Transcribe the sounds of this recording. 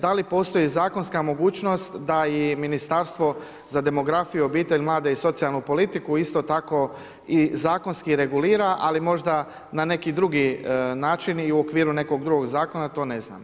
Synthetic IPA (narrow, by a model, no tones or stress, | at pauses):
d̪alipo̞ːst̪o̞jizaːko̞nskamo̞ɡuːt͡ʃno̞st̪d̪aiminist̪aɾst̪ʋo̞ | zad̪e̞mo̞ɡɾafijuo̞biːt̪e̞ʎmlˠaːd̪e̞iso̞t̪sijalnupo̞lit̪ikuist̪o̞t̪ako̞ | izaːko̞nskiɾe̞ɡuliːɾaʔalimo̞ʒd̪a | nane̞kid̪ɾuɡinaːt͡ʃiniuokʋiːɾune̞ko̞ɡd̪ɾuɡo̞ɡzaːko̞nat̪o̞ːne̞zna̰ːm